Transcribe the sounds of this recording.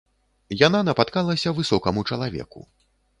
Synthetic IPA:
jananɐpat̪kalˠɐsʲɐvɨsɔkɐmut͡ʂɐlˠavʲɛ̰kṵ

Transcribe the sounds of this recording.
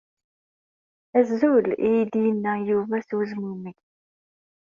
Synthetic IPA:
æzːulijd̪jənːæjuvæswzmumiç

